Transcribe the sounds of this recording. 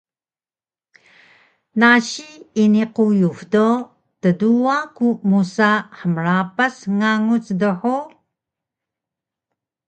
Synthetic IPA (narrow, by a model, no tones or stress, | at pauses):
naɕiiniqujuvdo | təduakumusaħəmrapasŋaŋut͡sdəħu